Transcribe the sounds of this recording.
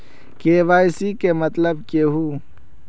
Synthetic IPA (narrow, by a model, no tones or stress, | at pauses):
keːʋaːjsikemɐt̪ləb̚keɦu